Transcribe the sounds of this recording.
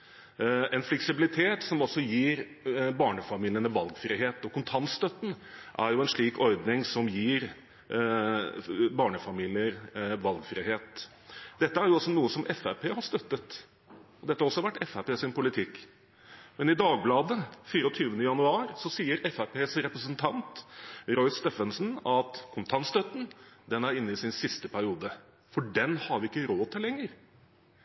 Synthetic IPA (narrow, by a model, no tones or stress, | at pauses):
ɛnflɛksɪbɪlɪt̪ʰeːt̪sɔmɔsːɔjiːɾbɑːɳəfɑmiːlɪənəʋɑlɡfɾiːɦeːt̪ɔkʰʊnt̪ʰɑnt̪st̪œt̪ːn̩ʔæ̰ɾjʊɛnʂɭiːkʰɔɾd̪nɪŋsɔmjiːɾ | bɑːɳəfɑmiːlɪəɾʋɑlɡfɾiːheːt̪ | d̪ɛt̪ːəæɾjʊɔsɔnuːəsɔmʔɛfæpʰeːhɑʂt̪œt̪ːət̪ | ɔd̪ɛt̪ːhɑɾɔsɔɑʋæʈːɛfæpeːsɪnpʊlɪt̪ʰɪk | mɛnɪd̪ɑːɡ̚blɑːd̪əfiːɾəɔt̪ʰyːʋənəjɑnʉɑːɾsɔsiːəɾɛfæpeːsɾɛpɾəsənt̪ʰɑnt̪ɾɔʏsst̪efənsn̩ɑt̪kʰʊnt̪ʰɑnst̪œt̪n̩d̪ɛnæɾɪnːəɪsɪnsɪst̪əpʰæɾɪuːd̪ə | fɔɖɛnhɑɾʋɪɪkːəɾoːt̪ʰɪlːɛŋːəɾ